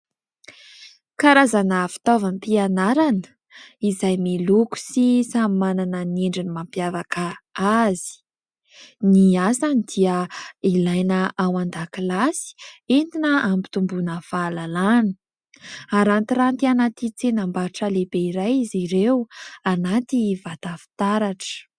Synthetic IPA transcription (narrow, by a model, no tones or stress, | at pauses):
kaɾazanafi̥t̪ovanipianaɾanə̥ | izajmiluku̥sisamimananəneɳɖ͡ʐinimampjavakəazi̥ | niasanid̪̥iəilajnəʔawand̪akilasi̥ent̪inəambi̥t̪umbunəfalalanə̥ | aɾant̪iɾant̪ianat̪it͡senambaʈ͡ʂəlebeiɾajiziɾewanat̪ivat̪afi̥t̪aɾaʈ͡ʂə̥